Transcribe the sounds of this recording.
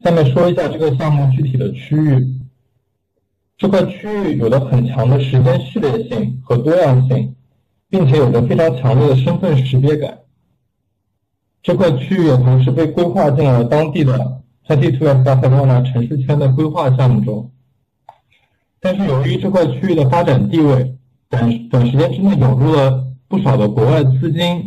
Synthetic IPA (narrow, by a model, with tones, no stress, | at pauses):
sa˥˧ɪmjɛ˥˩nʂwɔ˥i˧˥ɕja˥˧ʈ͡ʂɤ˥˩ɡə˩ɕ̬jɑ˥˧ŋmu˥˧t͡ɕy˥˩t̪ʰi˨˩d̪ə˦t͡ɕʰy˥y˥˩ | ʈ͡ʂɤ˥˧kʰwa˥˩ɪt͡ɕʰy˥y˥˩jo˨˩ʊlə˦xə˨˩nt͡ɕʰjɑ˧˥ŋd̪ə˧ʂɻ̩˧˥t͡ɕjɛ˥nʂɻ̩˥˧ljɛ˥˧ɕi˥˩ŋxɤ˧˥t̪wɔ˥jɑ˥˧ŋɕi˥˩ŋ | pi˥˩ŋt͡ɕʰjɛ˧˥jo˨˩d̪ə˦fe˥ɪʈ͡ʂʰɑ˧˥ŋt͡ɕʰjɑ˧˥ŋljɛ˥˩d̪ə˩ʂə˥nfə˥˩nʂɻ̩˧˥t͡ɕjɛ˥ka̰˨˩˦ | ʈ͡ʂɤ˥˧kʰwa˥˧ɪt͡ɕʰy˥˩jɛ˨˩t̪ʰo˧˥ʂ̬ɻ̩˥˧pe˥˩ɪkwe˥ɪxwa˥˧t͡ɕi˥˩ŋlə˧˥t̪ɑ˥ŋt̪i˥˩d̪ə˩ | tʰa˥ɪt̪i˥˧˩ʈ͡ʂʰu˥lə˧t̪a˥˧t̪ʰa˥˧ɪt͡ɕa˥˧na˥˩ʈ͡ʂʰə˧˥ŋʂu˥˩t͡ɕʰɥɛ˥nd̪ə˨k̬we˥ɪxwa˥˧ɕ̬jɑ˥˧mu˥˩ʈ͡ʂʊ˥ŋ | t̪a˥˧nʂɻ̩˥˩jo˨˩ʊy˧˥ʈ͡ʂɤ˥˧kʰwa˥˧ɪt͡ɕʰy˥y˥˩d̪ə˩fa˥ʈ͡ʂa˨˩nt̪i˥˧we˥˩ɪ | pə˨˩npə˨˩nʂɻ̩˧˥t͡ɕjɛ˥nʈ͡ʂɻ̩˥ne˥˩ɪjʊ˨˩ŋɻu˥˩lə˩pu˥˩ʂɑ˨˩ʊd̪ə˦kwɔ˧˥wa˥˩ɪt͡sɹ̩˥t͡ɕi˥n